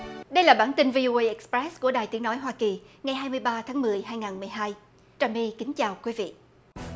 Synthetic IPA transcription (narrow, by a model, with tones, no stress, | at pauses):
ɗə˧jlaː˨˩ɓaː˧˩nt̪i˧nvi˧ʔo˧ʔə˧ʔɛ˨˥k̚spɹɛ˦˥sku˧˩əɗaː˨˩jt̪i˨˦ənɔ˨˦jɦwaː˧ki˨˩ŋa˨˩jɦaː˧jmɨ˧əjɓaː˧t̪ʰaː˨˦ŋmɨ˨˩əjɦaː˧jŋaː˨˩nmɨ˨˩əjɦaː˧j | t͡ɕaː˨˩mi˧kï˨˦ŋ̟t͡ɕaː˨˩wkwi˨˦vḭ˧˨